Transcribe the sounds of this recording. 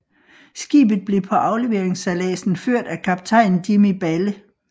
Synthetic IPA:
sɡ̥ḭːb̥ð̩ˠb̥le̝pʰɒ̽ʔɑ̈ʊle̝ʋe̝ɐeŋsælɛ̰ːsn̩føɐ̰d̥ækʰɑ̈b̥̚t͡sʰɑ̈ɪ̰n̩d̥imib̥ælə

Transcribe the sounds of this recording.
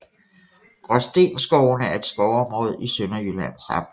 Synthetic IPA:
ɡ̥ʁɒsd̥e̝̰ːnsɡ̥ɒʊnəæɐe̝d̥sɡ̥ɒʊɒ̽mʁɔ̰ð̰ˠisønɐjylænsɑ̰̈m

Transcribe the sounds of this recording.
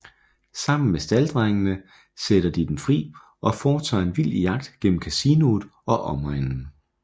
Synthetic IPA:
sɑ̈m̰n̩mesd̥æld̥ʁaŋnə | seɾ̥ɐd̥id̥emfʁḭː | ʔɒ̽fɒːt͡sʰɑ̰ːe̝nʋil̰jɑ̈ɡ̥̚d̥ɡ̥en̰m̩kʰæsino̝ð̩ˠɒ̽ʔɒ̽mʁaŋŋn̩

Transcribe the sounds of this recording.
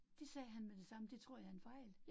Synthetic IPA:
d̥e̝sɛːɦænmed̥e̝sɑ̈məd̥e̝t͡sʰʁo̝ɐ̰jɑ̈enfɑ̈ɪ̰l

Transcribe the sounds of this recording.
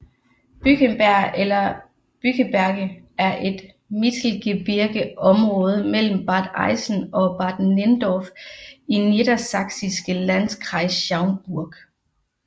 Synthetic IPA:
b̥yɡ̥əmb̥æɐ̰elɐ | b̥yɡ̥əb̥æɐɡ̥ə | æɐʔe̝d̥ | mid̥l̩ɡ̥eb̥iɐɡ̥əɒ̽mʁɔ̽ːð̞ˠəmel̰m̩b̥ɑ̈ːd̥ɑ̈ɪsn̩ɒ̽b̥ɑ̈ːd̥nend̥ɒfined̥ɐsɑ̈ɡ̥sisɡ̥əlænskʰʁɑ̈ɪsɕɑ̈ʊnb̥uɐ̰ɡ̥

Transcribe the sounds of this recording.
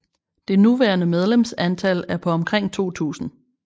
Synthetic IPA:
d̥e̝nuʋæːɐnəmeð̞ˠlemsænt͡sʰælæɐpʰɒ̽ɒ̽mkʰʁeŋ̰t͡sʰo̝̰ːt͡sʰṵːsn̩

